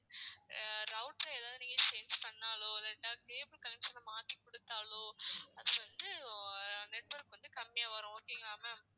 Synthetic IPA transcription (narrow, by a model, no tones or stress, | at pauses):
ɾɐʊʈɾɐɛːðaːðɯniːŋɡɐesɛnspɐɳːaːloːɐlɐʈːaːkeːbɯlkɐlɛmsɐlɐmaːt̪ːikɔɽɯt̪ːaːlõːɐðɯʋɐnd̪ɯ | nɛʈʋɐɾkʋɐnd̪ɯkɐmːɪjɐʋɐɾʊ̃oːkːɪŋɡaːmɐ